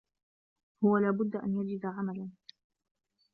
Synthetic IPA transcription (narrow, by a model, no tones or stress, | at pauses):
hʊwalaːbʊd̪ːaʔa̰njad͡ʒɪd̪aʕamalan